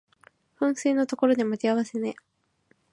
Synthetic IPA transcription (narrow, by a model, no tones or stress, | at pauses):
ɸɯ̟̃ɰ̃seːnːot̪o̞ko̞ɾo̞d̪e̞matiaβasene̞